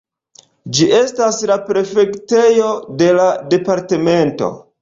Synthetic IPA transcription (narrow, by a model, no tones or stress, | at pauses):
d͡ʒiʔe̞staslapɾe̞fe̞kte̞jo̞de̞lade̞paɾte̞me̞nto̞̰